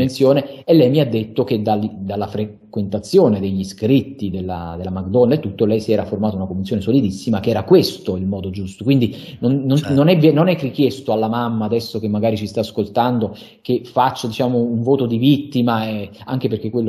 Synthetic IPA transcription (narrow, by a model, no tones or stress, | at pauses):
ensjoːneelːɛjmiad̪ːet̪ːok̟ed̪ald̪alːafɾe | kwent̪at̪sːjoːned̪eʎːiskɾit̪ːid̪elːa̰d̪elːamaɡ̚d̪ɔnːaet̪ːut̪ːolɛjsiɛːɾaformaːt̪ounakomvensjoːnesolid̪isːimakeɛːɾakwest̪oilmɔːd̪od͡ʒust̪okwind̪inonːonnonɛvɛnonɛrikjest̪oalːamamːaːd̪ɛsːok̟emːaɡaːɾit͡ʃist̪aːskolt̪and̪o | kefat͡ʃːod̪it͡ʃaːmouɱvoːt̪od̪ivit̪ːimaaŋk̟eperk̟ekːwelː